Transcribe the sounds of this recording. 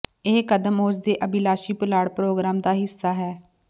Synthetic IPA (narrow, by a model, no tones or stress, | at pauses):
eːkəd̪əmoːsd̪eːʔəbilaːʃiːpʊlaːɽpɾoːɡɾaːmd̪aːɦɪsːaːɦɛː